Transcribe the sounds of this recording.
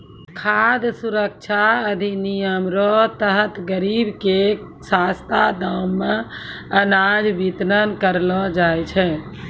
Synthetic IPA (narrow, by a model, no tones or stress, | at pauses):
kʰad̪suɾək̚t͡ʃʰaəd̪ʱinijəmɾɔt̪əɦət̪ɡəɾibke | sast̪ad̪amːeənad͡ʒbit̪ɾənkəɾlɔd͡ʒajt͡ʃʰɛ